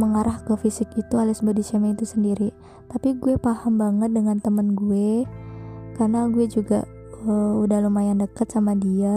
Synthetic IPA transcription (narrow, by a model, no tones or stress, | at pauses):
məŋaɾahkəfisɪkit̪ualɪsbadit͡ʃɛmɛit̪usəndiɾi | t̪apiɡuepahambaŋət̪̚dəŋant̪əmənɡue | karnaɡuɛd͡ʒuɡa̰ | əudahlumajandəkət̪̚samadia